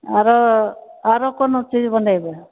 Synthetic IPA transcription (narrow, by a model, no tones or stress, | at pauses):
aɾɔ | aɾɔkɔnɔt͡ʃid͡ʒbɔɳɖabɛ